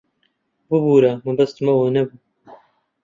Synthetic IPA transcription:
bɨbuːɾɐmɐbɐst̪mɐwoːnɛbuː

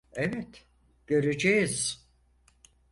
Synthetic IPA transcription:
evɛt̪ | ɟ̥ø̞ɾed͡ʒejiz̥

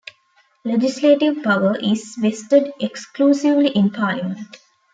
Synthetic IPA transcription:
led͡ʒisleːʈiʋpɐʋəʔizʋesʈəɖekskluːsiʋliʔĩnpʰaːljimə̃ɳʈ

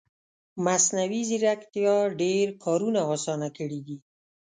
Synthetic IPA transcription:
masnawiziɾakt̪jɑɖeɾkʰɑɾunaɔsɑnakəɽid̪i

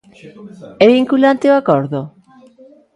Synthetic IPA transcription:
eβiŋkulant̪eoakoɾðo

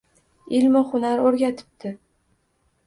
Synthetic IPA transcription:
ɪlmɪχʊnaɾoɾɡʲat̪ʰɪ̥p̚t̪ʰɪ

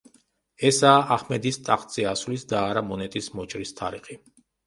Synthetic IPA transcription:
ɛsaːʔaχmɛd̪ist̪ʼaqʼt̪sʼiasvlisd̪aːɾamɔnɛt̪ʼismɔt͡ʃʼɾist̪ʰa̰ɾiχi

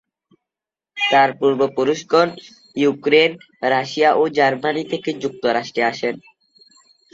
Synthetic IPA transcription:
t̪aɾpuɾbopuɾuʃkon | jukɾen | ɾaʃijaʔod͡ʑaɾmanit̪ʰeked͡ʑuk̚t̪oɾaʃʈɾeaʃen

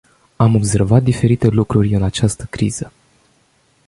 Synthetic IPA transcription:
amo̞bse̞rvat̪̚d̪ife̞ɾit̪e̞lukɾurʲɨnat͡ʃast̪əkɾḭz̥ə

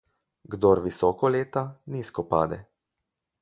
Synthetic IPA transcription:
ɡd̪oɾʋisɔːkɔleːt̪aniːskɔpa̰ːd̪ɛ̰

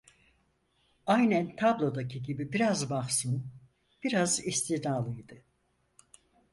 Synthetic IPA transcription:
ajnænt̪ʰablˠo̞d̪acʰiɟibibiɾazbaχsɯn | b̥iɾazist̪ʰinaːlˠɯjd̪ɯ

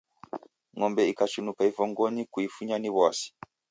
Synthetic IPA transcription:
ŋɔmbɛikat͡ʃunupaivɔŋɡɔɲikuifuɲaniβwasi̥

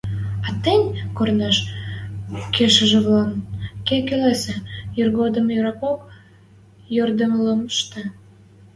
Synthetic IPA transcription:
ɑt̪enʲkornɑʃ | keʃəʒĕβlɑmkekelesejyrɣod̪əmjyɾɑpok | jørd̪əmləməʃt̪ə̆

